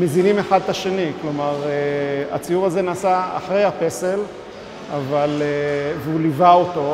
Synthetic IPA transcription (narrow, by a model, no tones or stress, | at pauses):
me̞zinime̞χad̪̚taʃeniklo̞maʁea̰t͡sijuʁazenaːsa̰ːχʁe̞jhape̞se̞l | avaleveulivaoto̞